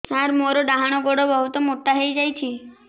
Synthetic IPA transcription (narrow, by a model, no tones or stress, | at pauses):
saɾmoɾoɖaɦaɽ̃oɡoɽobəɦut̪omoʈːaɦəjd͡ʒajt͡ʃʰi